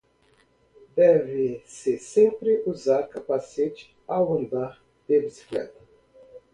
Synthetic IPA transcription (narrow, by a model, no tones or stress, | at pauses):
d̪ɛvɪsɪsẽmpɾɪʔuzaɾkapasit͡ʃɪ̥ | awɐ̃nd̪aɾ | d̪̥ebisi̥klɛ̰t̪ɐ̥